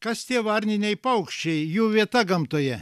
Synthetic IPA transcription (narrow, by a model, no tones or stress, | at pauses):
kɐst̪ʲiɛʋɐɾʲnʲɪnʲɛɪpɐʊkʃʲt͡ʃʲɛɪjuːʋʲiɛt̪ɐɡɐmt̪oːjɛ